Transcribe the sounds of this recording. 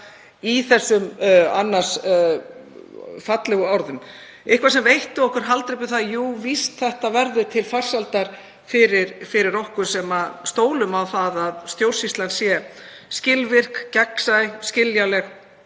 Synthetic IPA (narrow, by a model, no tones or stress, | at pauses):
iθɛsːʏma̰nːḁs | fat̪lɛɣʏawɾðʏm | ɪhkvasɛmvejht̪ʏɔhkʏɾ̥ɦalt̪ɾɪp̬ʏθaðjuːvist̪θɛht̪avɛɾðʏt̪ʰɪlfar̥salt̪aɾ̥ | fɪɾɪɾfɪɾɪɾɔhkʏsɛmast̪oːwlʏmawθaðaðst̪jowr̥sist̪lansjɛscɪlvɪr̥kcɛksajscɪljalɛx